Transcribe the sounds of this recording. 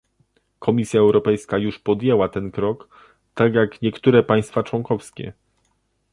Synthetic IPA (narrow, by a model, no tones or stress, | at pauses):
kʰɔmʲisʲjaɛwɾɔpɛjskajuʂpɔd̪jɛwat̪ɛnkɾɔk | t̪aɡjakɲɛkt̪uɾɛpaj̃st̪fat͡ʂwɔŋkɔfskʲɛ̰